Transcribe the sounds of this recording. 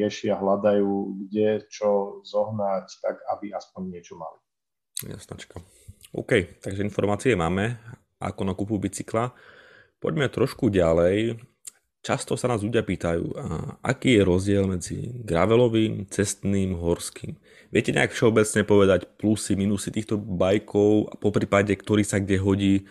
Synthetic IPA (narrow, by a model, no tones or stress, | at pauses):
ɛʃɪaɦlad̪ajuːɡɟɛt͡ʃɔzɔɦnact̪aɡabiaspɔɲːɪɛt͡ʃɔma̰li | ja̰snat͡ʃḁka | ɔ̰ːkɛjt̪aɡʒɛinfɔɾmaːt͡siɛmaːmɛ | ʔa̰kɔnakupubit͡sikla | pɔ̰ɟmɛt̪ɾɔʃkuɟalɛj | t͡ʃast̪ɔsanaːzʎuɟɪapiːt̪ajṵːʔa̰kiːjɛɾɔzɟɪɛlmɛd͡zḭɡɾa̰ʋɛlɔʋiːmt͡sɛst̪niːmɦɔɾskiːm | ʋɪɛcɛɲɛ̰akfʃɛɔbɛt͡sɲɛpɔʋɛd̪acplusiminusit̪iːxt̪ɔbajkʰɔʊa̰pɔpɾiːpaɟɛkt̪ɔɾiːsaɡɟɛɦɔɟiː